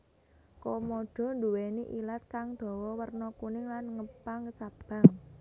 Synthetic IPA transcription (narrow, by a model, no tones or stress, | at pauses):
komoɖ̥ɔ̤nd̪uweniʔilat̪̚kaŋd̪̥ɔ̤wɔwərnɔkunɪŋlanŋəpaŋəsab̥a̤ŋ